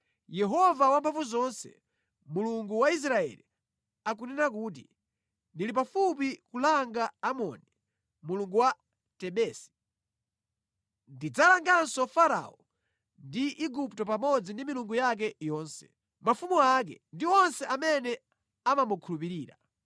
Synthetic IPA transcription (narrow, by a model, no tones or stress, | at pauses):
jɛɦɔvawampʰaɱvuzɔnsɛ̰ | muluŋɡuwais̬ɾaɛ̰li | ak̬unɛnakuːt̬ḭ | ndilip̬afup̬ikulaŋɡaːmɔ̰ni | muluŋɡuwa | tɛɓɛːsi̥ | ndid͡zalaŋɡansɔfaɾa̰ɔ | ndiʔiɡuptɔpamɔd͡zindimiluŋɡujak̬ɛjɔːnsɛ̥̰ | mafumuak̬ɛ̰ndiɔnsɛʔamɛnɛ | amamukʰulupiɾiːɾa̰